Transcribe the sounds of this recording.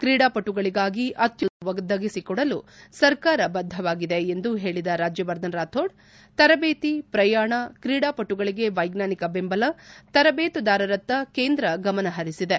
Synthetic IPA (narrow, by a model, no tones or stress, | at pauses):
kɾiːɽaːpɐʈːuɡɐɭiɡaːɡiʔɐt̪juʋɐɡd̪ɐɡisikɔɽɐlusɐɾkaːɾɐbɐd̪ʱːɐʋaːɡid̪e̞end̪uɦe̞ːɭid̪ɐɾaːd͡ʒjɐʋɐɾd̪ɐnɾaːt̪ʰoːɖ | t̪ɐɾɐbeːt̪ipɾɐjaːɳɐkɾiːɽaːpɐʈːuɡɐɭiɡe̞ʋɐjɡnaːnikɐbembɐlɐt̪ɐɾɐbeːt̪ud̪aːɾɐɾɐt̪ːɐkeːnd̪ɾɐɡɐmɐnɐɦɐɾisid̪e̞